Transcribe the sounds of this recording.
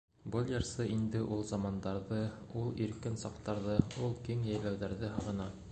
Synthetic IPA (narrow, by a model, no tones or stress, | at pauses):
bɤlˠjɑɾsɤʔind̪ɘʔulˠzɑmɑnd̪ɑɾðɤulˠiɾkɘnsɑqt̪ɑɾðɤulˠkiŋjæjlæwðæɾðɘɦɤ̆ʁɤ̆nɑ